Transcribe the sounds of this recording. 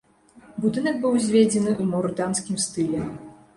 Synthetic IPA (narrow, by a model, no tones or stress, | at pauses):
bud̪ɨnɐk̚bɨwzʲvʲed͡zʲɛnɨʔumɔɾd̪anskʲimst̪ɨlʲɛ